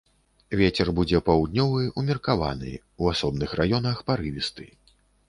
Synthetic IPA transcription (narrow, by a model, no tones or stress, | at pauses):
vʲet͡sʲɛrbud͡zʲɛpawd̪nʲɔvɨumʲirkava̰nɨ̰ | uasɔbnɨxrajɔnɐxpaɾɨvʲist̪ɨ̰